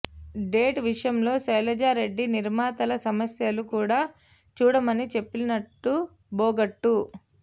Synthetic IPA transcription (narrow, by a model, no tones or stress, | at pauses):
ɖe̞ːʈʋiʂɐjɐmlo̞ːsɐjlɐd͡ʒaːɾe̞ɖːiniɾmaːt̪ɐlɐsɐmɐsjɐlukuːɽaː | t͡ʃuːɽɐmɐnit͡ʃe̞pːilnɐʈːu | boːɡɐʈːu